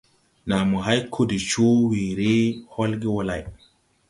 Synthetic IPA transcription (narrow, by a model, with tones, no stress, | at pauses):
na˨mo˨ɦa˦jkʰo˦˨di˨t͡ʃo˦wi˨ɾe˦ho˦lɡi˦wo˨la̰˨j